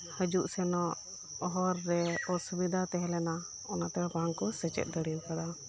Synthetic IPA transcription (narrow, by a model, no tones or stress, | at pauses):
həd͡ʒuʔsɛnɔʔ | ɔɦɔɾːɛɔsubid̪ʱat̪ɛɦɛlɛna | ɔnat̪ɛbaŋkɔsɛt͡ʃɛ̰t̪̚d̪əɽimkad̪a